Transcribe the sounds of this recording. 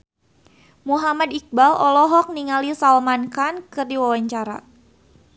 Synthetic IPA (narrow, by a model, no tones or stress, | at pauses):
muɦamad̪ik̚balɔlɔɦɔk̚niŋalisalmankankɨrdiwawaɲt͡ʃaɾa̰